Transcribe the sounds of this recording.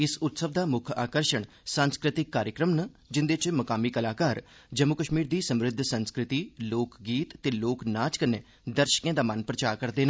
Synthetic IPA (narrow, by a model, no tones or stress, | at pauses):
ɪsʊt̪səʋd̪aːmʊkʰa̰ːkəɾʃəɳ | sənskɾɪt̪ɪkːaːɾjəkɾəmnə | d͡ʒɪnd̪et͡ʃməkaːmiːkəlaːkaːɾ | d͡ʒəmːʊkəʃmiːɾd̪iːsəmɾɪd̪ʱsənskɾɪt̪iːloːkɡiːt̪t̪eːloːknaːt͡ʃkəneː | d̪əɾʃə̥kẽːd̪aːmənpɾət͡ʃaːkəɾd̪eːna